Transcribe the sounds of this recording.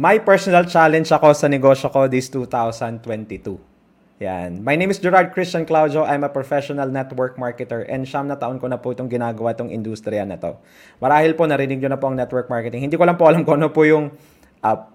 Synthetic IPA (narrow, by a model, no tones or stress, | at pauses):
mɐjpɛɹsonɐlt͡ʃalɛnd͡ʒɐko̞sɐnɛɡo̞ʃoko̞d̪ist̪ut̪awsɐnd̪t̪wɛnt̪it̪u | ja̰nmɐjnejmɪsd͡ʒɛɾaɹd̪̚kɾɪst͡ʃɐnklawd͡ʒoʔajmɐpɹofɛʃonɐlnɛt̪wɛɹk̚maɹkɛt̪ɛɹʔɛ̰nʃɐmnɐt̪ɐʔonkonɐpʊʔɪt̪o̞ŋɡɪnaːɡɐwaʔɪt̪oŋʔɪ̰nd̪ust̪ɾɪjɐnɐ̰t̪o̞̰ | mɐɾaːhɪlponɐɾɪnɪɡ̚ɲonɐpoɐŋnɛt̪̚wɛɹk̚maɹkɛt̪ɪŋhɪnd̪iːkolampoʔɐlamkoʔɐnopʊjʊŋ | ʔɐp̚